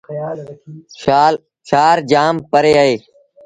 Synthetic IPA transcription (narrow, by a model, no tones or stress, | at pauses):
ʃaːɾd͡ʒaːmpəɾeːaːɦeː